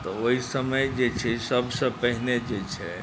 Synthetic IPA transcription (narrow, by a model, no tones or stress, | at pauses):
t̪ɔoɦisəməjd͡ʒet͡ʃʰɛsəbʱsə̃pəɦned͡ʒet͡ʃʰɛ